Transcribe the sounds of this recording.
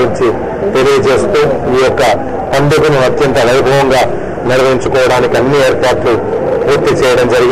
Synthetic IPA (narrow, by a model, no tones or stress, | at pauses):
ɾiɲt͡ʃi | t̪e̞lijɐt͡ʃe̞ːst̪uːiːjɔkːɐ | pɐnd̪ɐkunuɐt̪jɐnt̪ɐʋɐjbʱɐʋɐŋɡaː | niɾɐʋɐɦiɲt͡ʃukɔːʋɐɽaːnikiɐnːieːɾpaːɾʈlu | puːɾt̪it͡ʃɛːjɐɽɐmd͡ʒɐɾiɡ